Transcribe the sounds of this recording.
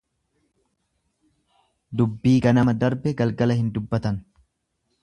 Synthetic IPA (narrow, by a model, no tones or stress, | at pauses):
d̪ʊbːiːɡɐnɐmɐd̪ɐɾbɛɡɐlɡɐlɐhɪnd̪ʊbːɐt̪ɐn